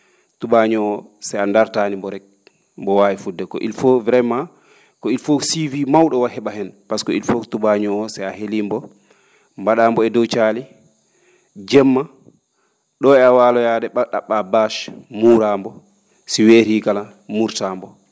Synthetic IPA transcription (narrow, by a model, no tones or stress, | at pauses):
tuɓaɲɔːsɛjandaɾtaːnimbɔɾɛk̚ | mbɔwaːjifudːɛkɔ̰ʔḭlfovɾɛma | kɔilfosivimawɗɔwahɛɓahɛnpaskɔilfotuɓaɲɔɔsɛjahelimbɔ | mbaɗaːmbɔɛdɔt͡ʃaːli | d͡ʒɛmːa | ɗɔɛawaːlɔjadɛɓaɗaɓabaʃmuɾambɔ | siweɾikala | muɾtaːmbɔ